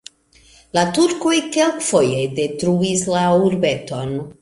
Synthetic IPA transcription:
latuɾko̞jkelkfo̞je̞de̞tɾuislauɾbe̞to̞n

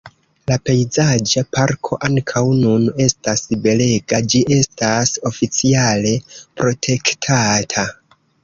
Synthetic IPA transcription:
lape̞jzad͡ʒapaɾkʰo̞ʔaŋkʰawnune̞stasbe̞le̞ɡad͡ʒiʔe̞staso̞fit͡siale̞pɾo̞tʰe̞ktʰatʰa

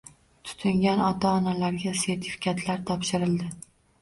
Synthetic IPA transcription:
t̪ʰʊ̥t̪ʰʊŋɡʲanɒt̪ʰaɒnalaɾɡʲase̞ɾt̪ʰɪ̥fi̥kʲat̪ʰlaɾt̪ʰɒpʃɪɾɪld̪ɪ

